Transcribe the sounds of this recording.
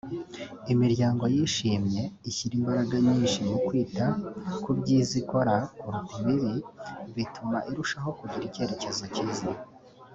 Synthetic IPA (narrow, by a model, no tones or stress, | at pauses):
imiɾjaːŋɡo̞jiʃiːmɲe̞içiɾimbaɾaɡaɲiːnʃimukwiːtakubɟiːziko̞ɾauɾutiβiβiβitʰumaʔiɾuʃaɦo̞kuɟiɾice̞ɾece̞zacizi